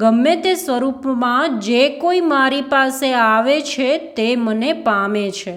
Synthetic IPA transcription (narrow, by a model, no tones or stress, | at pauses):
ɡəmːet̪esʋəɾupmãd͡ʒekoimaɾipaseaʋet͡ʃʰet̪emənepamet͡ʃʰe